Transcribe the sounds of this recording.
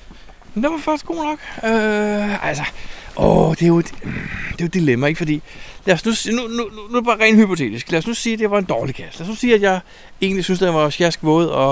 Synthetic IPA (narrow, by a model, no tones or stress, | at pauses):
nd̥eʋɑfɑɡ̥sɡ̥o̝̰ːnɒ̽ɡ̥øælsəʔɒd̥e̝jo̝e̝d̥d̥e̝jo̝d̥ilemæe̝ɡ̥əfɒ̽d̥ḭːlæɐsnusiːnunuunub̥ɑ̈ːʁɛ̰ːnhypʰo̝t͡sʰe̝̰ːd̥isɡ̥læɐsnusiːd̥e̝ʋɑ̈e̝nd̥ɒːlikʰæslæɐsnusiːæd̥jɑ̈ɪ | e̝ːnlisynsd̥enʋɑ̈ɕjæsɡ̥ʋɔ̽ːð̞̩̰ˠɒ